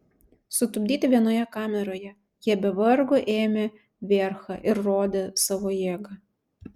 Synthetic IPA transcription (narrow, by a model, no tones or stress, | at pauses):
sʊt̪ʊbʲd̪ʲiːt̪ʲɪʋʲiɛnoːjɛkɑːmʲɛɾoːjɛ | jiɛbʲɛʋɐɾɡoʔeːmʲe | ʋʲeːɾxɑʔɪɾːoːd̪ʲesɑːʋoːjeːɡɐ